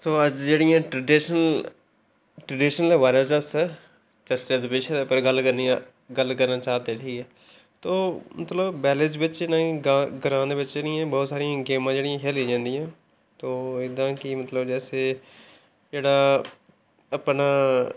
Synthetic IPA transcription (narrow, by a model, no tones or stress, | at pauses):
soːəd͡ʒd͡ʒeːɽɪjãːʈɾəɖiʃənəl | ʈɾəɖɪːʃnəlɛʋaːɾəd͡ʒə̃sə | t͡ʃəɾt͡ʃeːd̪peːʃʰeːd̪epəɾɡəlkəɾniã | ɡəlkəɾnaːt͡ʃaːd̪eːʈʰiːɛː | t̪oːmət̪ləbːɛːlesbɪt͡ʃenãːɡãɡəɾãːd̪eːʋɪt͡ʃenĩːɛ̃ːbɔːt̪saːɾijãːɡeːmãːd͡ʒeːɽɪjãːkʰeːlĩːd͡ʒãːnd̪ijãː | t̪oːɪd̪ãːkɪmət̪ləbd͡ʒɛːseː | d͡ʒeːɽaː | əpnaː